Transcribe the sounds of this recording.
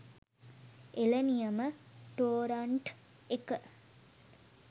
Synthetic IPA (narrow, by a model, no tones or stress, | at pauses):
elənijɐməʈoːɾɐɳʈ | ekə